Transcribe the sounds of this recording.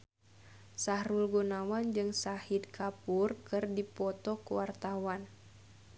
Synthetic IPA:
sahɾulɡunawand͡ʒɨŋsahid̪̚kʰapurkɨrdipɔt̪ɔkuwart̪awan

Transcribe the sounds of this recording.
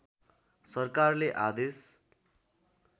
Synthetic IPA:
sʌrkarleʔad̪es

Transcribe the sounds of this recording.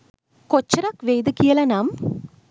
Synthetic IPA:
kot͡ʃːɐɾakʋejd̪ɨkːijɐlɐnam

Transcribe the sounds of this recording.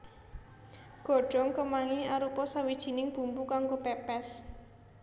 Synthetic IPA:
ɡ̥ɔ̤ɖ̥ɔ̤ŋkəmaŋiaɾupɔsawid̥ʒ̥i̤nɪŋb̥ṳmbukaŋɡopɛpɛs

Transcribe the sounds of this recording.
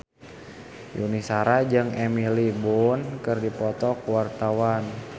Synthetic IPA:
jṵnisaɾad͡ʒɨŋɛmilibunkərdipɔt̪ɔkuwart̪awan

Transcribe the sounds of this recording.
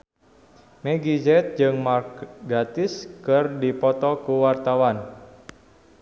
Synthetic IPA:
meɡid͡ʒɛt̪̚d͡ʒɨŋmarkɡat̪ɪskərdipɔt̪ɔkuwart̪awan

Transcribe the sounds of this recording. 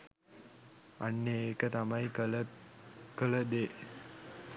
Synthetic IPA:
a̰nːeeːkət̪amajkəl | kələd̪e

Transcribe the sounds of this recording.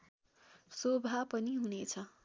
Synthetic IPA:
sobʱapʌniɦunet͡sʰʌ

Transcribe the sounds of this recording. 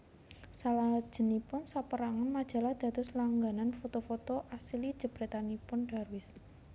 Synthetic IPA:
salad̥ʒ̥ə̤nipʊnsapəɾaŋanmad̥ʒ̥a̤lahd̪̥ä̤t̪ʊslaŋɡananfot̪ofot̪oʔasilid̥ʒ̥ə̤b̥ɾɛ̤t̪anipʊnɖ̥a̤rwɪs

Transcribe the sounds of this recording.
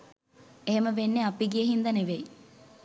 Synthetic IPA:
eɦeməʋenːeapiɡijəɦind̪ɐneʋej

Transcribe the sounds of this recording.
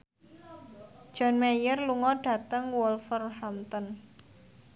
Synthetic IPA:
d̥ʒ̥ɔ̤nmejərluŋɔɖ̥ä̤t̪əŋwɔlfərhamt̪ɔn

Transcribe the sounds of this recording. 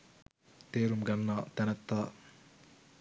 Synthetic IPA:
t̪eːɾumɡɐnːaːt̪ɛnɐt̪ːaː

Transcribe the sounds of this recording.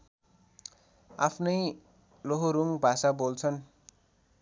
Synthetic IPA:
a̰pʰnʌj | loɦoɾuŋbʱasabolt͡sʰʌn

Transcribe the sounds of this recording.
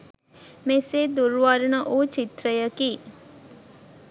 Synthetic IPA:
meseːd̪uɾʋaɾunəʔot͡ʃit̪ɾəjəkiː

